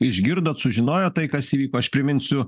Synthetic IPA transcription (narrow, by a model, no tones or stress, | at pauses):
ɪʒʲɡʲɪɾd̪oːt̪sʊʒʲɪnoːjoːt̪ɐɪkɐsiːʋʲiːkoːɐʃpʲɾʲɪmʲɪnʲsʲʊ